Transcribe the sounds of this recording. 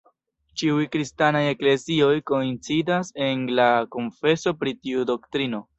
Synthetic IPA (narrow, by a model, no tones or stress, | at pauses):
t͡ʃiujkɾistanaje̞kle̞zio̞jko̞int͡sidase̞nlako̞nfe̞so̞pɾitiudo̞ktɾino̞